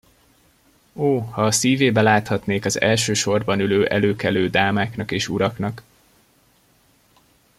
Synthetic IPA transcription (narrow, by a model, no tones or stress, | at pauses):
oːhɒːsiːveːbɛlaːt̪hɒt̪neːkɒzɛ̰lʃøːʃo̞rbɒnyløːʔɛ̰løːkɛløːd̪aːmaːknɒkeːʃuɾɒknɒk